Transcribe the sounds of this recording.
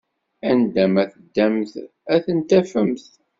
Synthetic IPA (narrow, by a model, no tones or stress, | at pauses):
ænd̪æmæθəd̪ːæmθ | æθənt̪æfəmθ